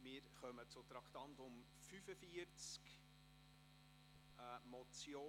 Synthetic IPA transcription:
mɪːɾχœmət͡sʊt̪ɾɑkt̪ɑnt̪ʊm | fyfəfiəɾt͡sk | ɛmɔt͡sjoː

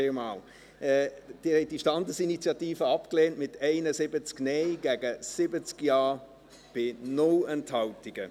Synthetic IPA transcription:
mɑːl | ɛːd̥ɪːhɛɪt̚d̥iʃtɑndəsinit͡sjɑtiːfəɑpkleːntmɪtʰɛɪnəsɪbət͡sknɛɪɡ̥æɡəsɪbət͡skjɑː | b̥ɪnʊlənthɑltɪɡ̥ə

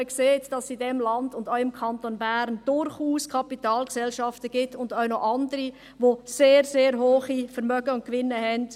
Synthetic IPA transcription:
əkseːtd̥ɑsidɛmlɑnd̥ʊndɔʊɪmkʰɑntonbæːɾnd̥ʊɾχuːskʰɑpitɑːlksɛlʃɑftəɡ̥ɪtːʊndœʊnɔʔɑndəɾi | ʋoseːɾseːɾɦoːχifɛɾmœɡ̥əʊnt̚kʋɪnːəɦɛnd

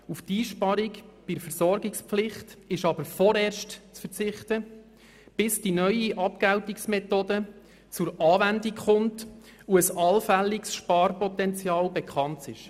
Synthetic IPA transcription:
uftiːʃpɑɾikb̥iəfəɾsɔɾɡikspflɪχtɪʃɑb̥əɾfɔɾɛːɾʃtt͡sfəɾt͡sɪχtə | b̥ɪsd̥inœʏiʔɑpkæwtiksmɛtoːdə | t͡sʊɾɑːʋændikχʊmt | uəsɑlfæliksʃpɑːɾpɔtɛnt͡sjɑːlbɛkχɑntɪʃ

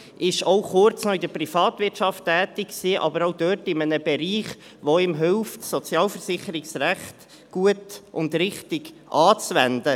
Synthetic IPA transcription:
ʔɪʃowχʊɾt͡snɔɪdəprifɑːt̪vɪtʃɑftːɛːtɪkksiːʔɑ̰bəɾaʊd̥œːtɪmənəbɛɾiːχ | ʋoɪmɦɪlftsɔt͡sjɑːlfəɾsɪχəɾɪksræχt | ɡ̥uətʊndɾɪχtɪɡ̥ | ʔɑːt͡sʋɛndə

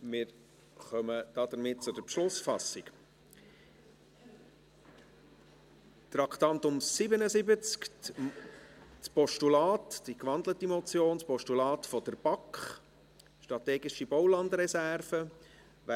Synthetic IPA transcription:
mɪːɾ | χœməd̥ɑd̪əɾmɪt̚t͡sʊdəɾpʃlʊsfɑsik | t̪ɾɑkʰt̪ɑnt̪ʊmsɪbənəzɪbət͡sk | spɔʃtulɑːtd̥ikʋɑnd̪lətimɔt͡sjoːnspɔʃtulɑːtfɔd̥̪əɾb̥ɑkχ | ʃtɾɑt̪ɛːɡɪʃibɔwlɑnd̪ɾɛsærfə | ʋæ

